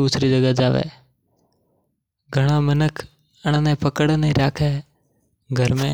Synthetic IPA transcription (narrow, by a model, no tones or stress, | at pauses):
uːsʰɾiːd͡ʒəɡəd͡ʒaːʋḛː | ɡʱəɽ̃aːmənəkʰ | əɽ̃nẽːpəkəɽneɾaːkʰeː | ɡʱəɾmẽː